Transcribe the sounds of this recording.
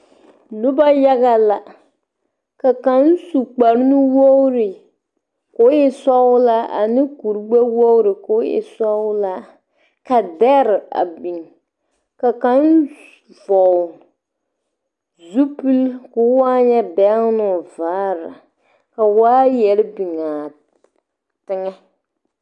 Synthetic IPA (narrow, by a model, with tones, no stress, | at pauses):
nʊ˦ba˦ja˦ɡa˦la˦ | ka˨ka˦nsu˨k͡pa˨ɾnʊ˦wo˦ɾɪ˨ | ko˨˦ɪ˦sɔ˦la˦a̰˨nɪ˦ku˨ɾɡ͡ba˦wo˦ʊ˦ɾɪ˨ko˦ɪ̰˨sɔ˦wla˦ | ka˨dɛ˦ɾa̰˨bi˨ŋ | ka˨ka˦n | vɔ˨ | zu˦pu˦lkʊ˨˦wa˦ɲɛ˦bɛ˦nʊ˨vaː˨˦ɾa˨ | ka˨waː˦jɛ˨ɾbi˨ŋaː˨ | tɪ˦ŋɛ˦